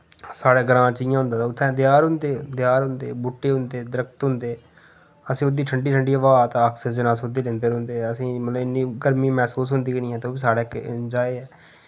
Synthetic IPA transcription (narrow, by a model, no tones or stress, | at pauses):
saːɽeːɡəɾãːt͡ʃijãɦʊ̃nd̪aːt̪ːʊt̪ʰːɛ̃ːd̪jaːɾɦʊ̃nd̪eːd̪jaːɾɦʊ̃nd̪ḛːbʊʈːeːɦʊ̃nd̪eːd̪əɾəkt̪ɦʊ̃nd̪eː | əsĩːʊd̪iːʈʰəɳɖiːʈʰəɳɖiːəʋaːt̪aaːkʰsɪd͡ʒənãːsʊd̪eːlẽːnd̪eːɾʊ̃nd̪eːəsĩːmət̪ləbɪnːiːɡəɾmĩːmɛːsuːs̬ɦʊnd̪iːkːniːɛːt̪oːbiːsaːɽeːkd͡ʒaːeːɛː